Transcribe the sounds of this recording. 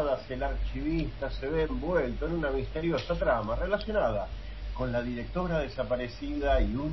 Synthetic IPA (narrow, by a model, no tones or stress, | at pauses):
ðaselaɾt͡ʃiβist̪aseβeːmbwelt̪oenunamist̪eɾjo̞sat̪ɾamarelasjo̞nað̞a | ko̞nlaðiɾek̚t̪o̞ɾaðesapaɾe̞siðaiu